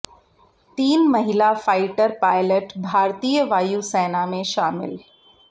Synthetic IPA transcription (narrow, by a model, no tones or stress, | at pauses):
t̪iːnmɐɦɪlafaːɪʈəɾpaːɪləʈbʱaːɾt̪iːjəʋaːjusɛːnamẽʃaːmɪ̰l